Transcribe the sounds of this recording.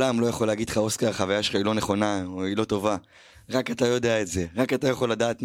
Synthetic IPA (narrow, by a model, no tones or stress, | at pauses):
lamlo̞jaχo̞leaɡid̪χao̞skaʁχavajaʃelχailo̞neχo̞naoilo̞to̞va | ʁakat̪ajo̞deaetze̞ʁakatajaχo̞lːadaːt